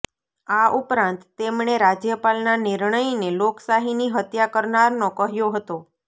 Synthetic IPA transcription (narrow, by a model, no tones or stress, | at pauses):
aʔupɾãnt̪ːemɳeɾad͡ʒjəpalnanɪɾɳəjneloksaɦiniɦət̪jakəɾnaɾnõkəɦjoɦət̪o